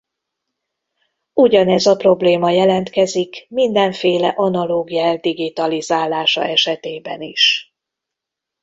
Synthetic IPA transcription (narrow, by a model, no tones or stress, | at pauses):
uɟɒnɛzɒpro̞bleːmɒjɛlɛnt̪kɛzikmind̪ɛɱfeːlɛʔɒnɒloːɡijaɛld̪iɡit̪ɒlizaːlːaːʃɒ̰ɛʃɛt̪eːbɛniʃ